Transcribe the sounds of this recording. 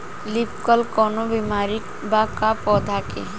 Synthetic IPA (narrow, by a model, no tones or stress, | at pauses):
lipkəlkɔːnobimaːɾi | bakapɔːd̪ʱake